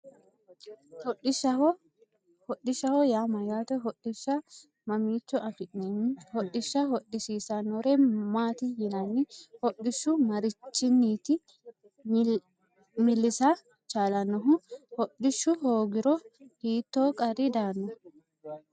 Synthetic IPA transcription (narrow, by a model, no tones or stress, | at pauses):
ɗɪ | hɔɗɪʃɐhɔjaːmɐjaːt̪ɛɦɔɗːɪʃːɐ | mɐmiːt͡ʃːɔɐfɪʔnenhɔɗːɪʃːɐɦɔɗːɪsiːsɐnːɔɾemaːt̪ɪjɪnɐnːɪhɔɗɪʃːʊmɐɾɪt͡ʃːɪnːiːt̪ɪ | mɪlːɪsa | t͡ʃʼaːlɐnːɔɦʊhɔɗɪʃːʊhoːɡɪɾɔhiːt̪ːoːkʼɐɾɪd̪aːnːɔ